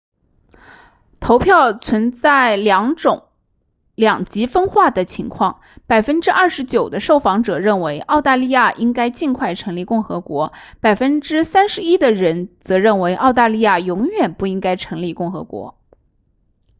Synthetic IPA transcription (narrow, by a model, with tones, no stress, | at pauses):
t̪ʰo˧˥ʊpʰjɑ˥˩ʊt͡sʰwə˧˥nt͡sa˥˩ɪljɑ˧˥ŋʈ͡ʂʊ˨˩˦ŋ | ljɑ˨˩ŋt͡ɕi˧˥fə˥nxwa˥˩d̪ə˩t͡ɕʰi˧˥ŋkʰwɑ˥˩ŋ | pa˨˩ɪfə˥nʈ͡ʂɻ̩˥ʔɐ˥˩ʂɻ̩˧˥t͡ɕjo˨˩ʊd̪ə˦ʂo˥˩ʊfɑ˧˥ŋʈ͡ʂɤ˨˩ɻə˥˩nwe˧˥ɪʔɑ˥˧ʊt̪a˥˧li˥˧ja˥˩ʔi˥ŋka˥ɪt͡ɕi˥˧nkʰwa˥˩ɪʈ͡ʂʰɤ˧˥ŋli˥˧kʊ˥˩ŋxɤ˧˥kwɔ˧˥pa˨˩ɪfə˥nʈ͡ʂɻ̩˥sa˥nʂɻ̩˧˥i˥d̪ə˨ɻə˧˥nt͡sɤ˧˥ɻə˥˩nwe˧˥ɪʔɑ˥˧ʊt̪a˥˧li˥˧ja˥˩jʊ˧˥ŋɥɛ˨˩npu˥˩i˥ŋka˥ɪʈ͡ʂʰɤ˧˥ŋli˧˩kʊ˥˩ŋxɤ̰˧˥kwɔ̰˧˥